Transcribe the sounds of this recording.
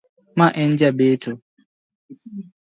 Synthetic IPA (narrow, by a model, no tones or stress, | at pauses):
maʔɛnd͡ʒabetʰo